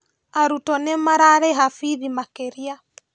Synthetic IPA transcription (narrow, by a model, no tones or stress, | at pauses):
aɾutɔnɛmaɾaɾɛɦafiðimakeɾia